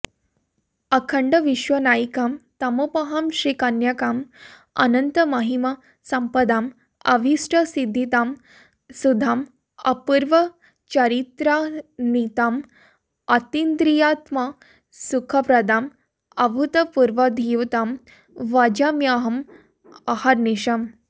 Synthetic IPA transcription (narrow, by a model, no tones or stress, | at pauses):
ɐkʰəɳɖəʋiʃʋɐnajikamt̪ɐmupɐɦamɕɾikanjakaːm | ɐ̰nənt̪əmaɦima | sɐmpəd̪aːm | ɐ̰ʋʱisʈʰəsid̪ʱːit̪aːm | sud̪ʱaːm | ɐ̰puɾʋɐ | t͡ɕɐɾit̪ɾanit̪aːm | ɐt̪ind̪ɾijat̪ma | sukʰɐpɾɐd̪aːm | ɐbʱut̪ɐpuɾʋɐd̪ʱiʋt̪aːm | ʋad͡ʒamjaɦɐm | ɐhaɾniɕɐm